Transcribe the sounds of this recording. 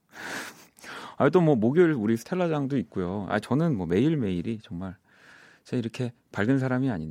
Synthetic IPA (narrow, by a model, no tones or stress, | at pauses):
aitomwʌmoɡjʌɭuɾisʰɯ̥tʰeɭːad͡ʑaŋdoit̚k͈ujoa̰t͡ɕʌnɯnmwʌme̞iɭme̞iɾit͡ɕʌŋmaɭ | t͡ɕeiɾʌkʰe̞ | paɭɡɯnsʰaɾamiaɲin